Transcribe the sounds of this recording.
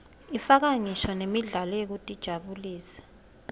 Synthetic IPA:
ifak̬aŋiʃɔnemiɮalɔjek̬utʼid̥ʒ̥ʱaɓuliːsɛ̥

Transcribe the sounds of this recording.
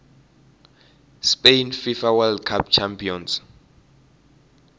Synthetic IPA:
spejnfifawɛldkʰap̚t͡ʃʰampʰiɔns

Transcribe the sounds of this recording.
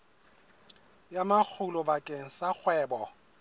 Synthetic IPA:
jamak͡xʰʊlʊbakʼeŋ̩sak͡xʰwɛːbɔ

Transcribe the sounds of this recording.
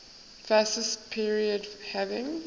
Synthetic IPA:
fæsɪstpʰiːɹiədhævɪ̃ŋ

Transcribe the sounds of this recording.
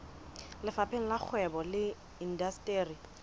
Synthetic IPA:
lɪfapʰeŋ̩lak͡xʰwɛbɔlɪ | indastʼeːri

